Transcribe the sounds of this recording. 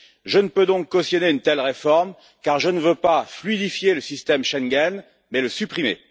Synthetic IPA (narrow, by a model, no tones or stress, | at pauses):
ʒənəpød̪ɔ̃kːɔst̪jɔneynt̪ɛlʁefɔʁm | kaʁʒənəvøpaflid̪ifjeləsist̪ɛmʃɛŋɡʲɛn | mɛləsypχimḛ